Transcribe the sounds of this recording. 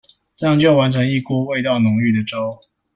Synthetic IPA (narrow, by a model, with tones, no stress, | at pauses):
ʈ͡ʂɤ˥˧jɑ˥˧ŋt͡ɕjo˥˩ʊwa˨˦˥nʈ͡ʂʰɤ˧˥ŋi˥˧ku˥˧we˥˧ɪt̪ɑ˥˩ʊnʊ˨˧˥ŋy˥˩d̪ə˩ʈ͡ʂo˦ʊ